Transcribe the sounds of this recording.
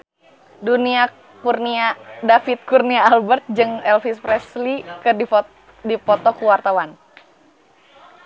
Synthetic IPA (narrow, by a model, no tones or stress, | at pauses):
dunia | kurniadafit̪̚kurniaːlbərt̪̚d͡ʒɨŋɛlfispɾɛslikəi | dipɔt̪ɔkuwart̪awan